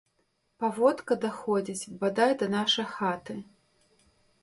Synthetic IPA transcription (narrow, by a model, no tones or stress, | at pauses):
pavɔt̪kɐd̪axɔd͡zʲit͡sʲbad̪ajd̪ɐnaʂɐjxat̪ɨ